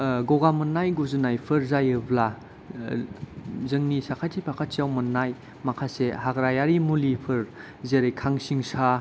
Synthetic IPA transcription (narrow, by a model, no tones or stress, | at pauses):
ɡoɡamɯnːajɡuzunajpʰɯɾzajɯbla | zɯŋnisakʰatʰipʰakʰat̚sijawmɯnːaj | makʰasehaɡɾajaɾimulipʰɯɾ | zeɾejkʰaŋsiŋsa